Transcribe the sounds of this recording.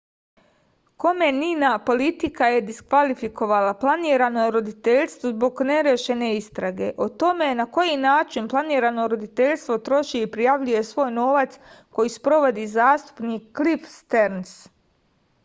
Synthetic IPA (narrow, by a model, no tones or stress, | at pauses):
ko̞me̞ninapo̞lit̪ikaje̞d̪iskʋalifiko̞ʋalaplˠaniːɾano̞jeɾo̞d̪it̪eʎst̪ʋozbo̞ɡne̞ɾjeʃe̞ne̞ist̪ɾaɡe̞ʔot̪o̞me̞nako̞jinaːt͡ʃinplˠaniːɾano̞ɾo̞d̪it̪e̞ʎʲst̪ʋo̞t̪ɾo̞ʃiipɾijaʋʎuje̞sʋo̞ːjno̞ʋat̪s | ko̞jispɾo̞ʋo̞d̪izaːst̪u̥pnikːlifst̪eɾns